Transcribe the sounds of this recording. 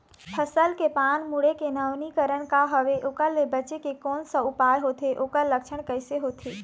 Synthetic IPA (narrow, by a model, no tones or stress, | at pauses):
pʰəsəlkepaːnmuɽekenəʋnikəɾəɽ̃kaɦəʋeʔokəlːebɐt͡ɕekekoːnsə̃ʊpaːjɦot̪ʰeʔokəɾləkʃʰəɽ̃kəɪseɦoːt̪ʰeː